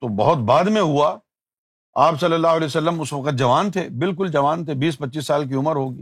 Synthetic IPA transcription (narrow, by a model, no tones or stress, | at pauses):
t̪obɐ̰ɦʊt̪baːd̪mẽɦua | aːpsɐlːəlːaːɦʊɐlɛːjsɐlːəmʊsʋɐqət̪̚d͡ʒɐʋaːnt̪ʰeːbɪlk̬ʊld͡ʒɐʋaːnt̪ʰebiːspɐtːʃiːsːaːlk̬iʊməɾɦoːɡḭː